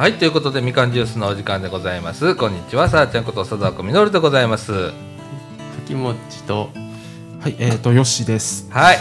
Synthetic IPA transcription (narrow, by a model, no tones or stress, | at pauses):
hait̪ːojɯ̟ko̞t̪o̞d̪e̞mʲikãɲ̟d͡ʑɨːs̬ɨnoːʑikãnd̪e̞ɡo̞zaimasɨkõ̞ɲ̟ːit͡ɕiβasaːt͡ɕẽŋkot̪o̞sad̪oakomʲinoːɾʲɯd̪e̞ɡo̞zaimasɨ | sakʲimo̞t͡ɕi̥t̪o | haiʔeːt̪ojo̞ɕid̪e̞sɨ̥hai